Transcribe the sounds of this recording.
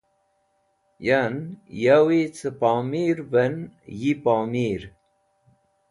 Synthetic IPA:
janjawit͡səpamiɾvənjipaːmiɾ

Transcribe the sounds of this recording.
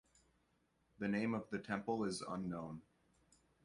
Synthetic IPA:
ðɨnẽɪ̃mʌvðɨtʰɛ̃mpl̩ˠɪzə̰̃nːõʊ̃n

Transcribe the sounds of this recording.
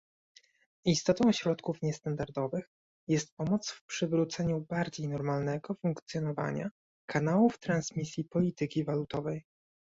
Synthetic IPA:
ist̪ɔt̪ɔ̃w̃ɕɾɔt̪kufɲɛst̪and̪aɾd̪ɔvɘx | jɛst̪̚pɔmɔt̪sfpʂɘvɾut̪sɛɲubaɾd͡ʑejnɔɾmalnɛɡɔfuŋkt̪sjɔnɔva̰ɲa̰ | kʰanawuft̪ɾansmʲisʲjipɔlʲit̪ɘkʲivalut̪ɔvɛj

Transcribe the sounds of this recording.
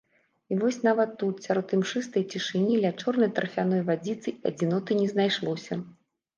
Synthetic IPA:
ivɔsʲnavɐt̪ːut̪sʲaɾɔt̪ɨmʂɨst̪ɐjt͡sʲiʂɨnʲilʲat͡ʂɔrnɐjt̪ɾɐfʲanɔjvad͡zʲit̪sɨiɐ̰d͡zʲinɔt̪ɨnʲɛznajʂlˠɔsʲɐ

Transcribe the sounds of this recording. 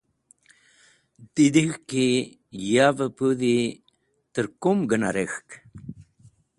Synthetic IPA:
d̪id̪ixki | javəpuði | t̪əɾkumɡəna̰ɾexk

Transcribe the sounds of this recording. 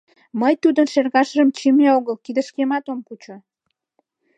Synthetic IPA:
məjt̪ud̪ənʃerɣɑʃəʒəmt͡ɕimeoɣəlkid̪əʃkemɑt̪omkut͡ɕo

